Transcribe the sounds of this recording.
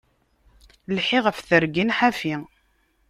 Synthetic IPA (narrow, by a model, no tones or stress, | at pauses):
lħɪʁəfθəɾɡinħafi